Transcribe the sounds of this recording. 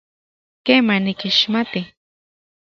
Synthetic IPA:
keːmanikiʃmat̪i

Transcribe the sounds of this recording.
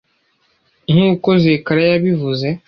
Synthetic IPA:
ŋ̥uːkozeːkaɾejaβivuze

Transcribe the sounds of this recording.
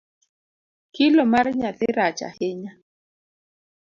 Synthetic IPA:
kɪlɔmarɲaθɪɾat͡ʃa̰hɪɲa

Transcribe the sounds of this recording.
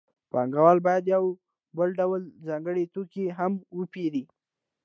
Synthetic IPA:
pɑ̰ŋɡawɑlbɑjad̪jaw | bəlɖawəlzɑŋɡəɽet̪okeɦamwəpeɾi

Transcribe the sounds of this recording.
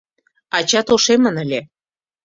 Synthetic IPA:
ɑt͡ɕɑt̪oʃemə̆nə̆lʲe

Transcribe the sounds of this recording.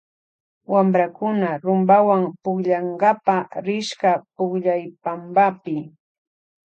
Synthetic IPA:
wambɾakʊnaɾʊmbawaŋpʊkʎaŋɡapaɾɪʃkapʊkʎajpambapɪ

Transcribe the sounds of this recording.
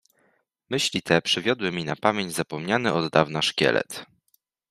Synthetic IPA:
mɘɕlʲit̪ʰɛpʂɘvʲjɔd̪wɘmʲinapamʲjeɲd͡ʑzapɔmɲanɘʔɔd̪ːavnaʂkʲɛ̰lɛ̰t̪

